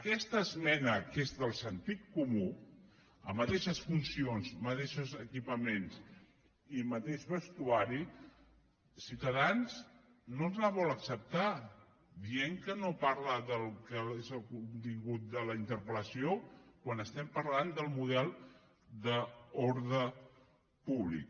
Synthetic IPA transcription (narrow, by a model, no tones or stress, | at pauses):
əkɛst̪əːzmɛnəkezðəlˠsənt̪it̪̚kumu | ə̰mət̪ɛʃəsfunsionzmət̪eʃuzəkipəmens | imət̪eʒβəst̪uaɾi | siwt̪əðanz | nonzlaβɔləksəp̚t̪a | ðieŋkənopaɾləðəlˠkəezəlˠkunt̪iŋɡut̪̚d̪ələint̪əɾpələsiokwanəst̪ɛmpəɾland̪əlˠmuð̞ɛlˠ | d̪əoɾðə | puβlḭk̚